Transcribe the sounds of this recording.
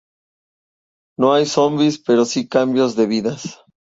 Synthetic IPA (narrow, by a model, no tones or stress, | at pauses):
no̞ajso̞mbispe̞ɾo̞sikambjo̞zðe̞βiðas